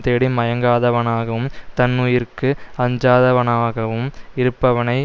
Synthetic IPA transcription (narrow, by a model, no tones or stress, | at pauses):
t̪eːɽimɐjɐŋɡaːðɐʋɐnaːɣɐʋɯmt̪ɐnːuːjɪrkɯɐɲd͡ʒaːðɐʋɐnaːɣɐʋɯmɪɾɯpːɐʋɐnɐɪ